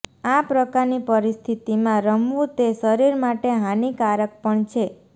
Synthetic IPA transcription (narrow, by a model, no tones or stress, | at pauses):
apɾəkaɾnipəɾist̪ʰit̪imãɾəmʋũt̪esəɾiɾmaʈeɦanikaɾək̚pəɳt͡ʃʰe